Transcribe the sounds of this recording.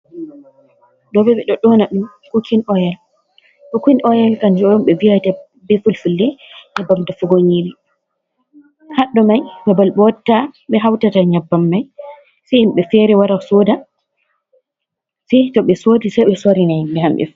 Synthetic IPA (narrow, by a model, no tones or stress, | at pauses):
ɗɔbɛɓɛɗɔɗɔnaɗum | kukʰinɔjal | kɔkinʔɔjalkand͡ʒɛɔɗumɓɛviata | bɛfulfuldɛɲabːamtafuɡoɲiɾi | haɗːɔmajbabalɓɔwatːaɓɛɦawtataɲabːamːaj | sɛjhimɓɛfɛɾɛwaɾasɔda | sɛjtɔɓɛsodisɛjɓɛsoɾinahimɓɛhamɓɛ̰f